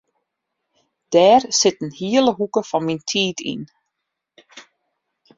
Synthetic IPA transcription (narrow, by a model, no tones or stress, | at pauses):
d̥ɛːrsɪtənhiələɦukəfɑnmintʰiːtʰḭn